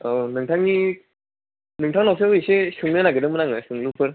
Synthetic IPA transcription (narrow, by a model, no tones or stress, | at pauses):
awnɯŋtʰaŋni | nɯŋtʰaŋnaws̬ʰɯisesɯŋlɯnaɡɯdɯmɯnaŋɯsɯŋlɯpʰɯɾ